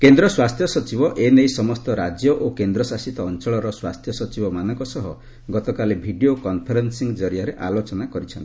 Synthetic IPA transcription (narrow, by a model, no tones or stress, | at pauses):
kend̪ɾɔswast̪ʰjɔsɔt͡ʃibɔʔenejsɔmɔst̪ɔɾad͡ʒjɔʔokend̪ɾɔsasit̪ɔːnt͡ʃɔɭɔɾɔswast̪ʰjɔsɔt͡ʃibɔmanɔŋkɔsɔɦɔ | ɡɔt̪ɔkalebʱiɖiokɔnpʰɔɾensiŋd͡ʒɔɾijaɾeʔalot͡ʃɔnakɔɾit͡ʃʰɔnt̪i